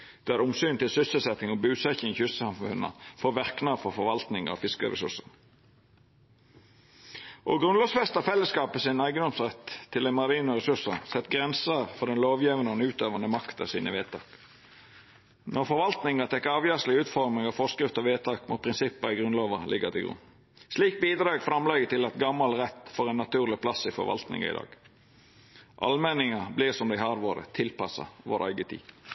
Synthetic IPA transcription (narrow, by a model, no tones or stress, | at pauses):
d̪̥ææɾʊmsyːnt̪ɪlsʏsəlsɛt̪nɪŋɔbʉːsɛçɪŋçʏsəsɑmfʉ̰nɑ̰foːʋæʁknɑfɔfɔʋɑlt̪nɪŋɑ̰fɪskəɾɛ̰sʉ̰ʂən | ʔoːɡʁʉnlɔʋsfɛst̪ɑfɛlːəskɑːpəsɪnæɪɡənd̪ɔmsʁɛt̪ʰːɪlæɛnmɑɾiːnɔʁɛsʉsəsɛt̪ːɡʁɛnsəfɔd̪ɛnloːʋjiːʋənɔnəʉːt̪øːʋɑnəmɑkt̪ɑ̰siːnəʋeːt̪ʰɑ̰ːk | nɔɾfɔɾʋɑlt̪nɪŋɑt̪ʰɛkːɑːʋjøːʂlɪʉːt̪fɔɾmɪŋɑfɔskʁɪft̪ɔʋeːt̪ʰɑːkmʊ̰ːt̪̚pʰʁɪnsɪpːəɪɡʁʉnloːʋɑlʔɪ̰ɡət̪ɪɡɾʊ̰n | sliːk̚biːd̪ɾɑːɡfɾɑmlɛɡət̪ɪlɑt̪ɡɑmːɑlʁɛt̪ːfɔʁɛnːɑt̪ʰʉːʁlɪpʰlɑsɪfɔ̰ɾʋɑ̰lt̪nɪ̰ŋɑ̰ɪ̰d̪ɑ̰ːɡ̥ | ʔɑ̰lmɛnɪŋɑblɪʁsɔmd̪æɪhɑːɾʋoːɾə̰t̪ʰɪlpɑsɑ̰ʋo̰ːɾæ̰ɪɡət̪ʰḭː